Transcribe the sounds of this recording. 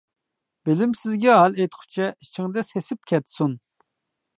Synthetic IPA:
b̥ɪlɪmsɪzɡʲɛɦɑlˠejt̪χʰʊ̥t͡ʃʰɛʔit͡ʃʰɪŋd̪ɛsesɪp̚kʲʰɛt̪sun

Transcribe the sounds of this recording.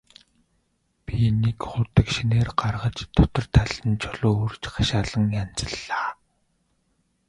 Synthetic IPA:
pʲinekχʊːt̪ə̆kʃineːrɢarʁə̆t͡ɕt̪ʰːɔt̪ɞ̆rt̪ʰaɮ̥ə̆nt͡ɕʰɔɮoːort͡ɕɢaʃaːɮə̆ŋjan̥t͡sə̆ɮːaː

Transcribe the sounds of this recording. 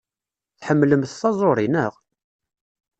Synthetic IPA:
θħəmːləmθθɑzˤoɾˤinəʁ

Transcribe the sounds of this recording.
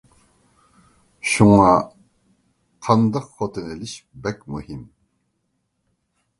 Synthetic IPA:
ʃuŋɑ | qʰɑnd̪ɑqχot̪ʰənelɪʃbɛk̚muhim

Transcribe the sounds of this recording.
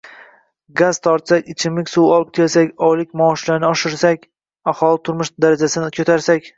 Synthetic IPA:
ɡazt̪ʰɒɾt̪sakʲɪt͡ʃʰɪmlɪkʲsuwɒlˠɪp̚kʲʰelsakʲɒjlɪkʲmɒːʃlaɾnɪɒʃɪɾsakʲ | ahɒlˠɪt̪ʰʊɾmɪʃd̪aɾad͡ʒasɪnɪkʲʰot̪ʰaɾsakʲ

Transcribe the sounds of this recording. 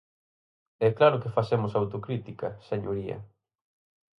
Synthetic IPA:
ɛklaɾʊkefasemʊsawt̪okɾit̪ikɐseɲoɾiɐ̰

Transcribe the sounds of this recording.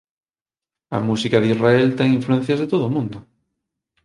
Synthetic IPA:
a̰musikaðizraelt̪eŋĩɱfluen̟θjazðet̪oðomũnd̪o

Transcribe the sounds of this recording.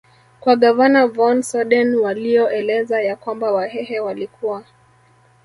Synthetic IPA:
kwaɠavanavɔnsɔɗɛnwalijɔʔɛlɛzajakwambawahɛɦɛwalikuwa

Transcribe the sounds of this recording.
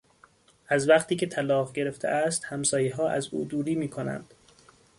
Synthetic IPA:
ʔæzvæqt̪ʰiːcʰe̞t̪ʰælɒːɣɟe̞ɾe̞ft̪ʰḛʔæst̪hæmsɒːjiːɦɒːʔæ̰zṵːd̪uːɾiːmiːkʰonæ̰nd̪̥

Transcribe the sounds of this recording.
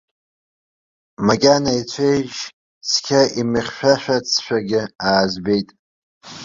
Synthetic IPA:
makʲʼanait͡sʷʰejʒ | skʲʰaʔimɨχʲʃᶣaʃᶣat͡sʰʃᶣaɡʲɪaːzbe̞jtʼ

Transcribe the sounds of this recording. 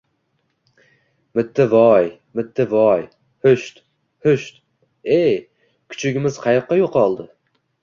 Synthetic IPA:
mɪt̪ʰːɪvɒj | mɪt̪ʰːɪvɒj | hʊʃt̪ | hʊʃt̪ | ej | kʲʰʊ̥t͡ʃʰɪɡʲɪmɪz̥qʰɑjɑqːɑjoqʰɒlˠd̪ɪ

